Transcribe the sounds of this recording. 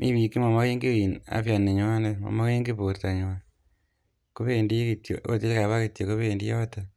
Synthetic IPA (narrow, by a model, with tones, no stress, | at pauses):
mʔi˦βi˨ki˦ma˨ma˦keː˦ŋɡi˦wi˨na̰˦fja˨ne˨ɲo˦a˦ne˦ma̰˨ma˦ke˦ŋɡi˦po˨ɾta˨ɲo˨a | ko˦βendi˦ki˨tjo˨o˦ti˦li˦ka˨βa˦kitjo˨ko˦βendi˦jo˦ta